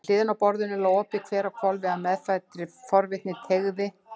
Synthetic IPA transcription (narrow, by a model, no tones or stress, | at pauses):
l̥ɪːðɪnapɔɾðʏnɛloːwɔːpɪkʰvɛːɾakʰvɔlvɛamɛðfajt̪ɾɪfɔɾvɪht̪nɪt̪ʰeɣðɪ